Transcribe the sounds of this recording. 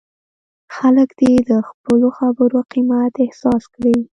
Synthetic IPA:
xaləkd̪ed̪əxpəloxabəɾoqimat̪ɪhsɑskɽi

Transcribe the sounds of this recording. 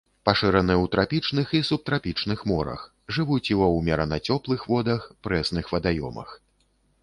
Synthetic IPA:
paʂɨɾɐnɨɛwt̪ɾapʲit͡ʂnɨxisup̚t̪ɾapʲit͡ʂnɨxmɔɾɐ̰x | ʐɨvut͡sʲjiwɔwmʲɛɾɐnɐt͡sʲɔplˠɨxvɔd̪ɐxpɾɛsnɨxvɐd̪ajɔ̰mɐ̰x

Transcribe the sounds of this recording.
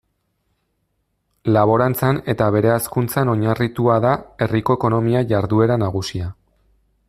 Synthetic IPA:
laβ̞o̞ɾant͡sane̞t̪aβ̞e̞ɾe̞askunt͡sano̞ɲarit̪uaðae̞rikoeko̞no̞miaʝaɾðue̞ɾanaɣ̞usia

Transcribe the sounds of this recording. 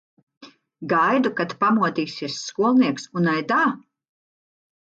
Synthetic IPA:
ɡajd̪ukat̪pamuɔt̪iːsiɛsːkuɔlˠniɛksunajd̪aː

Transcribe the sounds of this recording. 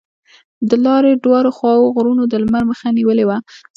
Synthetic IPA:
d̪əlɑɾeɖwɑɾoxwɑwoɣɾunod̪əlmaɾməxaniwəlewa

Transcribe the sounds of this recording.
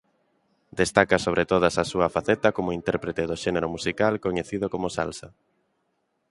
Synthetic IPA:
d̪est̪akasoβɾet̪oð̞asasuɐfaθɛt̪ɐkomoint̪ɛɾpɾet̪eðoʃeneɾomusikalkoɲeθiðokomʊsa̰lsa

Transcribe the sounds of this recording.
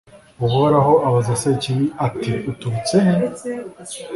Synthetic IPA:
uɦoɾaɦoʔaβazasaiciβiatiutuɾut͡sehe

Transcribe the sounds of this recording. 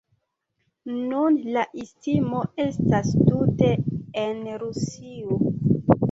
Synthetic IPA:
nunlaʔistimo̞e̞stastute̞enɾusio

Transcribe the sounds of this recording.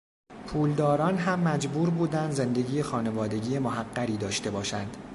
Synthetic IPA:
pʰuːld̪ɒːɾɒːnɦæmːæd͡ʒbuːɾbuːd̪ænd̪ze̞nd̪e̞ɟiːjexɒːne̞vɒːd̪e̞ɟiːjemoɦæɢːæɾiːd̪ɒːʃt̪e̞bɒːʃænd̪̥

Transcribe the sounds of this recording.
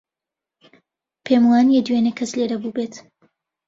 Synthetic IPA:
pʰemwaːnjɛd̪ɥeːnekʰɐsleɾɐbubet̪

